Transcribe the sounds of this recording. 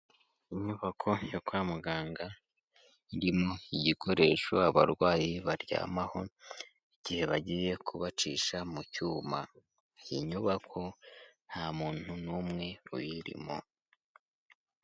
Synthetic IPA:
iɲuβakʰo̞jokwaːmuɡaːŋɡa | iɾimoiɟikʰo̞ɾe̞ːʃo̰aβa̰ɾɡwaːjiβaɾɟa̰ːmaho̞ | iɟ̥ihe̞βaɟiːje̞kʰuβat͡ʃiːʃamucuːma | iɲuβakʰo̞n̥hamuːn̥hunumŋe̞ṵjiɾḭmo̰

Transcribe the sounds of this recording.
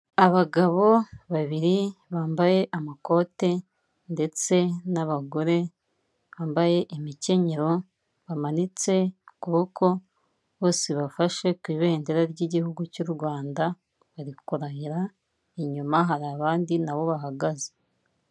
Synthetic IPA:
aβaɡaβo̞βaβiɾiβaːmbaje̞ʔamako̞ːte̞ | nde̞t͡se̞naβaɡo̞ɾe̞ | βaːmbaje̞ʔimice̞ɲe̞ɾo̞ | βamanit͡se̞kuβokʰo̞ | βo̞ːseβafaʃe̞kwiːβe̞ːndeɾaɾɟiɟihuɡucuɾuɾɡwaːnda | βaɾikuɾahiɾa | iɲumaɦaɾaːβaːndinaβo̞βaɦaɡaze

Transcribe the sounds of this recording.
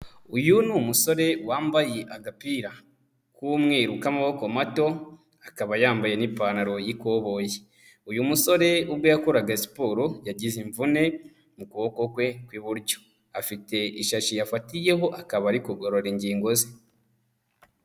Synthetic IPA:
ujunuːmuso̞ɾe̞waːmbajeʔaɡapiɾa | kumŋeːɾukamaβoko̞mato̞ | akaβajaːmbaje̞nipanaɾo̞jiko̞βo̞je | ujumuso̞ɾe̞ubɡo̞jakoɾaɡasi̥poːɾojaɟiziɱvune̞ | mukuβoko̞kwe̞kwiβuɾɟo̥ | afite̞ʔiʃaʃijafatije̞ɦo̞ʔakaβaɾikuɡo̞ɾo̞ɾiɲɟiːŋɡo̞ze

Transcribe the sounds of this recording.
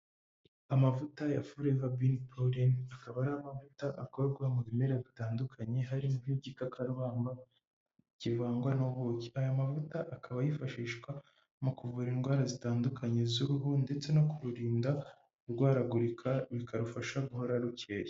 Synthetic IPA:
amavutajafuɾeβabinpʰolinakaβaɾaːmavutaʔako̞ɾɡwamuβime̞ɾaβitaːndukʰaɲe̞ɦaɾimuiɟikakʰaɾuβaːmba | civaːŋɡwanoβociajomavutaʔakʰaβajifaʃiːʃkwa | mukuvuːɾinɡwaːɾazitaːndukʰaɲe̞zuɾuɦonde̞t͡se̞no̞kuɾuɾiːnda | uɾɡwaːɾaɡuɾikʰaβikaɾufaʃaɡuho̞ɾaɾuce̞ːje

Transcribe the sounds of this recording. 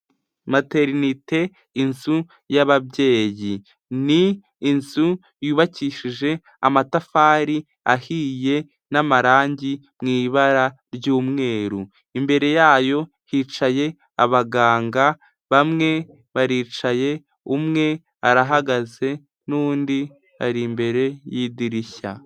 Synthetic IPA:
mate̞ɾinite̞ | insu | jaβabɟe̞ːji | niː | nsu | juːβaciːʃiʒe̞ | a̰matafaːɾi | ahiːje̞ | namaɾaːɲɟimŋiːβaɾa | ɾɟuːmŋe̞ːɾu | imbe̞ɾe̞jaːjo̞ | hit͡ʃaje̞ | a̰βaɡaːŋɡa | βamŋe̞ | βaɾiːt͡ʃaje̞ | umŋe̞ | aɾaɦaɡaze̞ | nuːndi | a̰ɾimbe̞ɾe̞jidiɾiça̰

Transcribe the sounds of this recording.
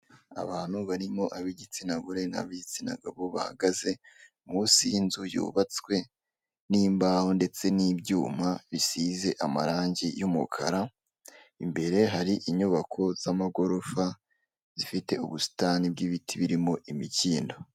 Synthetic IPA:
a̰βaːn̥huβaɾimo̞ʔaβiɟit͡sinaɡuɾe̞na̰βiɟit͡sina̰ɡaβo̞βaha̰ɡaze̞ | musinzujṵːβat͡swe̞ | niːmbaho̞nde̞t͡se̞niːbɟuːmaβisize̞ʔamaɾaːɲɟijumukʰa̰ɾa | imbe̞ɾe̞ɦaɾiʔiɲuβakʰo̞z̥amaɡo̞ɾo̞fa | zifite̞uβusi̥tanib̚ɡiβitʰiβiɾimo̞ʔimiciːndo̞

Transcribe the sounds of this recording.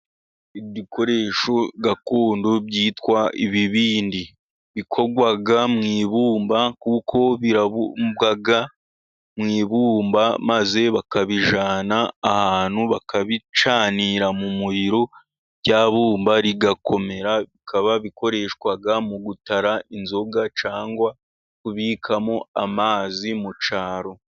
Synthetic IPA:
idikʰo̞ɾe̞ːʃo̞ɡakoːndobɟiːtkwaḭβiβiːndi | βikʰo̞ɡwaɡamŋiːβuːmbakukʰo̞βiɾaβubɡaɡa | mŋiːβuːmbamaze̞βakaβiʒaːnaːhaːn̥huβakaβit͡ʃaːniːɾamumuɾiɾo̞ | ɟaːβuːmbaɾiɡakʰo̞me̞ɾaβikʰaβaβikʰo̞ɾe̞ːʃkwaɡamuɡutaɾaʔinzo̞ɡat͡ʃaːŋɡwa | kuβikʰamo̞amaːzimut͡ʃaːɾo̞

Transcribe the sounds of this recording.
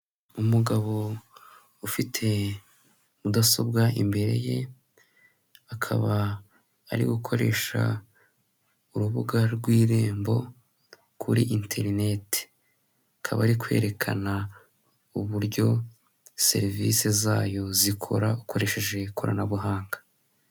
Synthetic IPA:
umuɡaβo̞ | ufitʰe̞ | udaso̞bɡaḭmbe̞ɾe̞̰je̞ | akʰa̰βaː | ɾḭɡukʰo̞ɾe̞ʃa̰ | uɾuβuɡaɾɡwiːɾe̞ːmbo̞̰ | kʰuɾiʔintʰe̞ɾine̞te̥ | akʰaβa̰ɾikwe̞̰ːɾe̞kʰana | uβuɾjo̞ | se̞̰ɾivḭse̞zaːjo̞zikʰo̞̰ɾaukʰo̞ɾe̞ʃe̞ʒe̞kʰo̰ɾa̰naβuɦaːŋɡḁ

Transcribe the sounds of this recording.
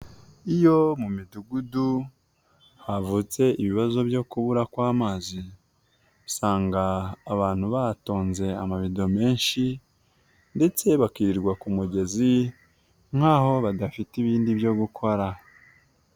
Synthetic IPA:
ijo̞mumiduɡudu | havut͡se̞iβiβazo̞βjo̞kuβuɾakwaːmaːzi | saːŋɡaːβaːn̥huβato̞ːnze̞amaβido̞me̞ːnʃi | nde̞t͡se̞βakiɾiɾɡwakumuɟe̞zi | ŋ̥haːho̞βadafitiβiːndibjo̞ɡukʰo̞ɾa

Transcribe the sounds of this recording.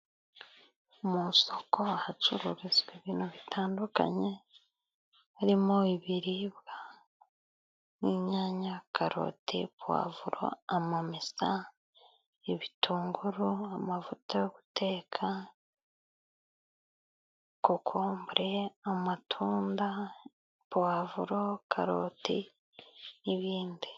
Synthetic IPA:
omuso̞ko̞ahat͡ʃuɾuɾezɡweβiːnhuβitʰaːnduka̰ɲe | aɾimo̞iβiɾiβɡa | niɲaːɲakʰaɾo̰tʰḭβwa̰ːvuɾo̰amamisa | iβitʰuːŋɡuɾuamavutajoku̥tʰe̞ːkʰa | kokʰoːmbuɾeamatʰuːnda | βwaːvuɾo̞kʰa̰ɾo̰ti | iβiːndi

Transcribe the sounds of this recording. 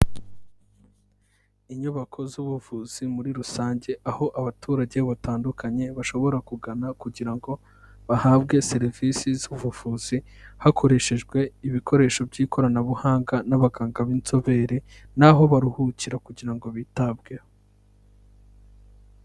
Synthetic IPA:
iɲuβakʰo̞zuβuvuːz̥imuɾiɾusaːɲɟe̞ʔaho̞ʔaβatʰuːɾaɟe̞βataːndukʰaɲe̞βaʃo̞βo̞ɾakuɡanakuɟiɾaŋɡo̞ | βahaːbɡe̞se̞ɾivisizuβuvuːz̥i | hakʰo̞ɾe̞ʃe̞ʒɡwe̞iβikʰo̞ɾe̞ːʃo̞bɟiːkʰo̞ɾanaβuhaːŋɡanaβaɡaːŋɡaβint͡so̞βe̞ːɾinaɦo̞βaɾuhuciɾakuɟiɾaŋɡo̞βiːtabɡe̞ho

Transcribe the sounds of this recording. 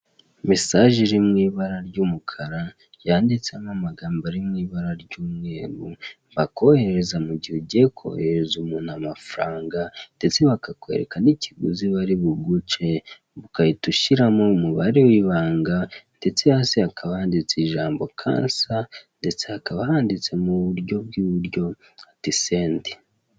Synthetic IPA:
misaʒiɾimŋiːβaɾaɾɟumukʰaɾa | jaːndit͡seamamaɡaːmbaɾimŋiːβaɾaɾɟuːmŋe̞ːɾu | bako̞he̞ɾe̞zamuɟihuɟekʰo̞̰heɾezumuːnhamafɾaːŋɡande̞t͡se̞βakakoḛɾḛkaniciɡuziβaɾiβuɡut͡ʃe̞ | βukajituʃiɾamomuβaɾewiβaːŋɡande̞t͡se̞haseakʰaβahaːndit͡siʒaːmbo̞kʰa̰ːnsande̞t͡seakaβahaːndit͡se̞muβuɾɟo̞b̚ɡiːβuɾɟo̞ | atise̞ːndi̥

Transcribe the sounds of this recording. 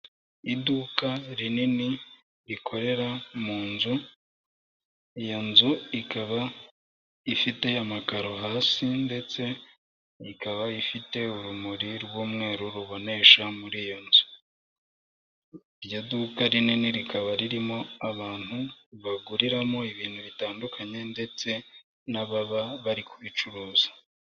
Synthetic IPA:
iduːkaɾinini | ɾikʰo̞ɾe̞ɾamuːnzu | ijonzuikaβa | ifite̞amakaɾo̞ɦaːsinde̞t͡se̞ | ikaβaifite̞uɾumuɾiɾɡwuːmŋe̞ːɾuɾuβo̞ne̞ʃamuɾiːjo̞nzu̥ | iɾjodukaɾininiɾikaβaɾiɾimo̞aβaːn̥huβaɡuɾiɾamo̞iβiːn̥huβitaːndukʰaɲe̞nde̞t͡se̞ | naβaβaβaɾikuβit͡ʃuɾuːzḁ

